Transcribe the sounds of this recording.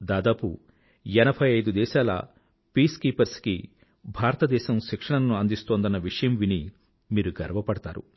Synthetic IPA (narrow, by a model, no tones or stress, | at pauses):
d̪aːd̪aːpṵ | ɛnɐbʱɐjɐjd̪ud̪ɛːʃaːlɐ̰ | piːskiːpɐɾskḭ | bʱaːɾɐt̪ɐd̪ɛːʃɐmʃikʂɐɳɐnnːuɐnd̪ist̪oːnd̪ɐnːɐʋiʂɐjɐmʋini | miːɾuɡɐɾʋɐpɐɽɐt̪aːɾṵ